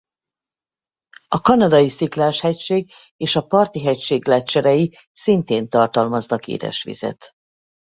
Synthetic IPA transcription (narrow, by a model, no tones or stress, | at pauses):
ɒkɒnɒd̪ɒjisiklaːʃhɛcʃeːɡ | eːʃɒpɒrt̪iɦɛcʃeːɡlɛt͡ʃːɛɾɛji | sint̪eːnt̪ɒrt̪ɒlmɒznɒkḛːd̪ɛ̰ʃʋḭz̥ɛ̰t̪